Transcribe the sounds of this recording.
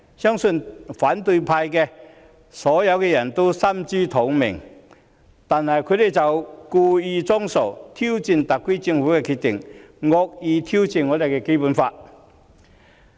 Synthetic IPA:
sjɔ˥ŋsɵ˧nfa˨˥nt̪u˧jpʰa˧jkɛ˧ | sɔ˨˦˥ja˨˧wkɛ˧jɐ˨˩nt̪o˥sɐ˥mt͡ɕi˥t̪ʰo˨˥ŋmɪ̰˨˩ŋ | t̪aː˨˩nhɐ˨˩jkʰɵ˨˧˥d̪e˨˩jt͡sɐ˨wkuː˧i˧t͡sɔ˥ŋso˨˩wt̪ʰi˥wt͡ɕi˧˩nt̪a˨k̚kːwi˥t͡ɕi˧ŋfuː˨˥kɛ˧kʰi˨˧t̚t̪i˨˩ŋŋɔ˧k̚i˧t̪ʰi˥wt͡ɕi˧˨nŋɔ˨˧˥le˨˩kɛ˧ke˥pu˨˧nfa˧t̚

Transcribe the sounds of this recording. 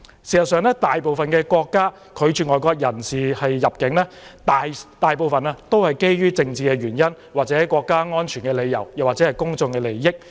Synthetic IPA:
si˨˩sɐ˨tsœː˨ŋlɛː˥t̪aː˨jpo˨wfɐ˨nkɛː˧kʷɔː˧kːaː˥ | kʰɵ˨˧t͡ʃyː˨ŋɔː˨jkʷɔː˧k̚jɐ˨˩nsiː˨hɐ˨jːɐ˨˩p̚kɪ˨˥ŋlɛː˥ | t̪a˨t̪aː˨jp̬o˨wfɐ˨naː˧t̪o˥whɐ˨jke˥jɥyː˥t͡sɪ˧ŋt͡siː˨kɛː˧ɥyː˨˩njɐ˥n | waː˨k̚t͡sɛː˨˥kwɔː˧kːaː˥ŋɔː˥nt͡ʃʰyː˨˩nkɛ˧le˨˧jɐ̰˨˩wjɐ˨˩waː˨t̚t͡sɛː˨˧hɐ˨jkʊ˥ŋt͡sʊ˧ŋkɛː˧le˨˩jːɪ˥k̚

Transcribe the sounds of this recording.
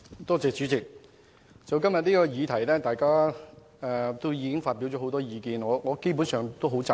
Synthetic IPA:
t̪ɔː˥t͡sɛː˨t͡syː˨˥t͡sɪ˨k̚ | t͡sɐ˨wkɐ˥mjɐ˨t̚niː˥kɔː˧jiː˨˧t̪ʰɐ˨˩jlɛː˥t̪aː˨jkaː˥ | ɛː˨t̪o˥wjiː˨˧kɪ˥ŋfaː˧t̚piː˨˥wt͡ʃɔː˨˧˥o˨˧wt̪ɔː˥jiː˨˧kiː˨˧nŋɔː˨˧ŋɔː˨˧ke˥jp̬u˨˥nsœː˨˩ŋt̪o˥wɦo˨˥t͡sa˨

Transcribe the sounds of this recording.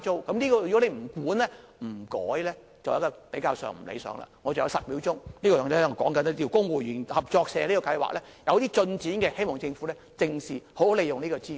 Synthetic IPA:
t͡so˥wkɐ˨˥mniː˥kɔː˧jy˨kɔ˨˥ne˨˧jm̩˨˩kuː˨˥nlɛː˥m̩˨˩kɔː˨˥jlɛː˥ | t͡sɐ˨wjkɔː˧pe˨˥jkaː˧wsœ̰ː˨˩ŋm̩˨˩lḛ˨˧sœ̰ː˨˥ŋla̰ː˨˩ŋɔː˨˧t͡sɐ˨˩wjɐ˨˧wsɐ˨t̚mi˨˥wt͡sʊ˥ŋniː˥kɔː˧jɔː˨ŋn˥˨ŋɔ˨˧˩kɔ̰ː˨˥ŋkɐ˨˦n˥t̪i˧˩wkʊ˥ŋwuː˨jyː˨˩nhɐ˨˩p̚t͡ʃɔː˧k̚sɛː˨liː˥kɔː˧kɐ˧jwa̰ː˨k̚lɛː˥ | jɐ˨˧wt̪iː˥t͡sɵ˧nt͡siː˨˥nkɛː˧he˥jmɔː˨˩ŋt͡sɪ˧ŋfu˨˥lɛː˥t͡sɪ˨˧ŋsiː˨ho˨˥who˨˦le˨˧jʊ˨ŋniː˥kɔː˧t͡siː˥

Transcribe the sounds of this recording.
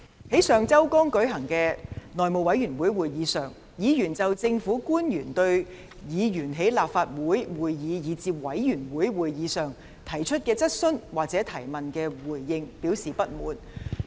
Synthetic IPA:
he˨˥jsœː˨ŋt͡sɐ˥wkɔː˥ŋkɵ˨˥ɥɦɐ˨˩ŋkɛː˧nɔː˨jmo˨wɐ˨˧˥jyː˨˩nwuː˨˥jwuː˨jjiː˨˧sœː˨˩ŋ | jiː˨˧jyː˨˩nt͡sɐ˨wt͡sɪ˧ŋfuː˨˥kuː˥njyː˨˩nt̪ɵ˧ɥ | jiː˨˧jyː˨˩nɦe˨˥jlaː˨p̚faː˧t̚wuː˨˥jwuː˨˩jjiː˨˧jiː˨˧t͡siː˧p̚wɐ˨˥jːyː˨˩nwuː˨˥jwuː˨˩jjiː˨˧sœː˨ŋ | t̪ʰɐ˨˩jt͡ʃʰɵ˥t̚kɛː˧t͡sɐ˥t̚sɵ˥nwaː˨k̚t͡sɛː˨˥t̪ʰɐ˨˩jmɐ˨nkɛː˧wuː˨˩jːɪ˧ŋpiː˨˥wsiː˨pɐ˥t̚muː˨˥n

